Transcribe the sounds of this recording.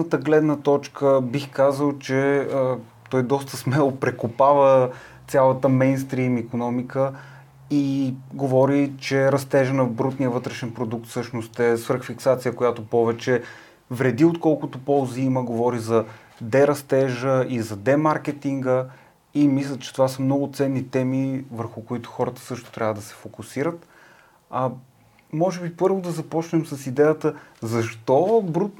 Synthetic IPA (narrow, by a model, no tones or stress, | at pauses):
ət̪əɡlɛd̪nət̪ɔt͡ʃkəbixkazəlˠt͡ʃɛə | t̪ɔjd̪ɔst̪əsmɛlˠopɾɛkopavə | t̪sʲjalˠət̪əmɛjnst̪ɾimikonɔmikə | iɡovɔɾit͡ʃɛɾɐst̪ɛʒənɐvbɾut̪nijəvɤt̪ɾɛʃɛnpɾod̪uk̚t̪fsɤʃnost̪ɛsvəɾxfiksat̪sijəkojat̪opɔvɛt͡ʃɛ | vɾɛd̪iot̪kɔlˠkʊt̪opɔlˠziiməɡovɔɾizɐ | d̪ɛɾɐst̪ɛʒəizɐd̪ɛmaɾkɛt̪iŋɡə | imislʲət̪t͡ʃɛ̥t̪ovasɐmnɔɡʊt̪sɛnːit̪ɛmivəɾxʊkoit̪ʊ̥xɔɾət̪ə̥sɤʃt̪o̥t̪ɾʲavəd̪ɐsɛ̥fokʊsiɾət̪ | ɐ | mɔʒɛbipɤɾvod̪ɐzɐpɔt͡ʃnɛmsɐsid̪ɛjət̪əzɐʃt̪ɔbɾut̪̚